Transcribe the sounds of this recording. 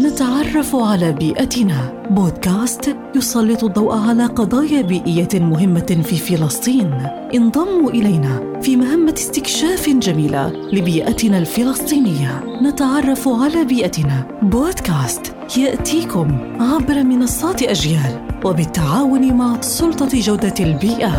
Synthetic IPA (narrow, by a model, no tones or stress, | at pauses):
nat̪aʕɑrˤːɑfʕalaːbiːʔat̪ɪnaː | boːd̪kaːst̪ | jʊsˤɑlːɨt̪ˤʊd̪ˤːɑwʔaʕalaːqɑd̪ˤɑːjaːbiːʔɪjːamʊɦɪmːafiːfɪlɑsˤt̪ˤiːn | ʔɪnd̪ˤɑmːuʔɪlajna | fiːmaɦamːast̪ɪkʃaːfd͡ʒamiːla̰ | lɪbiːʔat̪ɪnaːlfɪlɑsˤt̪ˤiːnɪjːa | nat̪aʕɑrˤːɑfʕalaːbiːʔat̪na | boːd̪kaːst̪ | jaʔt̪iːkʊm | ʕabɾˤɑmɪnɑsˤːɑːt̪ʔad͡ʒjaːlwabɪt̪ːaʕaːwʊnɪmaʕsˤʊlt̪ˤɑd͡ʒawd̪albiːʔa